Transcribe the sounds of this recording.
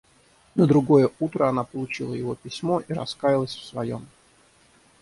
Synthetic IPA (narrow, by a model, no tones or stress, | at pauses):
nəd̪ɾʊɡo̞jəut̪ɾəɐnapəlˠʊt͡ɕilˠə̰jɪvo̞pʲɪsʲmo̞ʔiɾɐ̰skajɪlˠəsʲfsvɐjo̞̰m